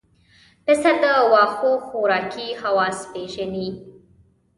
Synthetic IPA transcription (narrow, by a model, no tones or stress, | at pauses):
pɪsad̪əwɑxoxoɾɑːkihawɑːspeʒani